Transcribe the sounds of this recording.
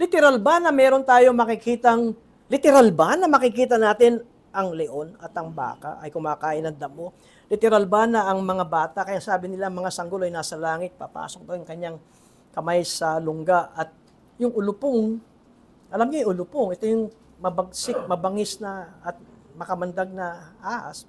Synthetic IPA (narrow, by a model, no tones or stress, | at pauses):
lɪt̪ɛɾalbanɐmɛːɾo̞nt̪aːjo̞mɐkɪkiːt̪ɐŋ | lɪt̪ɛɾalbanɐmɐkɪkiːt̪̬ɐnaːt̪ɪn | ʔɐŋlɛʔo̞nɐt̪ɐŋba̰ːka̰ʔɐjkʊmaːkaːʔɪnɐŋd̪ɐmo̞ | lɪt̪ɛɾalbanɐʔɐŋmɐŋabaːt̪ɐkɐjasaːbɪnɪlaŋmɐŋasɐŋɡoloɐjnaːsɐlaːŋɪt̪̚pɐpa̰ːsok̚t̪ojʊŋkɐɲaŋ | kɐmajsɐlʊŋɡaʔɐt̪̚ | jʊŋʊlʊpoŋ | ʔɐlamɲojʔʊlʊpoŋɛt̪o̞jʊŋ | mɐbɐɡ̚sɪk̚mɐbɐŋɪsnɐːt̪̚mɐkɐmɐnd̪aɡ̚nɐʔaʔɐ̰s